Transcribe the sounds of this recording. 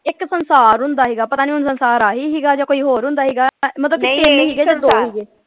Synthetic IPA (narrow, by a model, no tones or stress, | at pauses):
ɪksənsaːɾɦʊnd̪aːɦiːɡaːpət̪aːnĩːʊnsənsaːɾaːɦiːɦiːɡaːd͡ʒaːkoːiːɦoːɾɦʊ̃nd̪aːɦiːɡaːmət̪ləbkːeniːɦiːɡeːd͡ʒãːd̪oːɦiːɡeː